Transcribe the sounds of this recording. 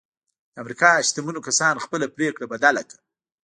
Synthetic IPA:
d̪əamɾikɑʃt̪amunokasɑnxpəlapɾekɽabad̪alakḁ

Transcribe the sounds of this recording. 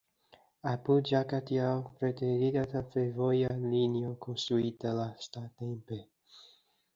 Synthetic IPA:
apud͡ʒakat̪jawpɾet̪eɾid̪at̪afevojalinjokʰonst̪ɾuit̪alast̪at̪empe

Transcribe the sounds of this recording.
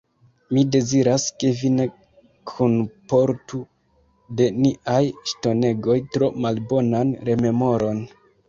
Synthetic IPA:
mide̞ziɾaske̞vine̞ | kʰonpo̞ɾtu | de̞niʔajʃto̞ne̞ɡo̞jtɾo̞malbo̞nanɾe̞me̞mo̞ɾo̞n

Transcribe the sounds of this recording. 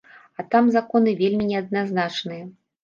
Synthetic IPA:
ɐt̪amzakɔnɨvʲelʲmʲinʲɛɐd̪̚naznat͡ʂnɨjɐ

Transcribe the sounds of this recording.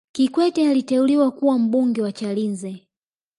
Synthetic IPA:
kikwɛtɛalitɛuliwakuwam̩ɓuŋɡɛwat͡ʃalinzɛ

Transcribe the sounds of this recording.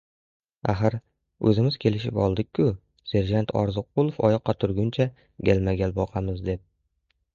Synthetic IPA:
aɦaɾ | ɵzɪmɪzkʲʰe̞lɪʃɪpɒlˠd̪ɪkʲʰːʊ | se̞ɾʒant̪ʰɒ̰ɾzʊq̚ːʊlˠofɒjɒqʰːɑt̪ʰʊɾɡʲʊnt͡ʃʰa | ɡʲalmaɡʲalbɒqʰamɪzd̪e̞p̚

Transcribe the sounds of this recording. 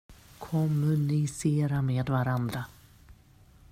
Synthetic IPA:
kʰɔmːɵnɪseːɾameːd̪vaɾand̪ɾa

